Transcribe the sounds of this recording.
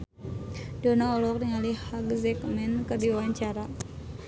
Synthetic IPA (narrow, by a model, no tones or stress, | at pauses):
donaɔlɔk̚diŋalihaɡzɛkmɛnkərdiwawaɲt͡ʃaɾa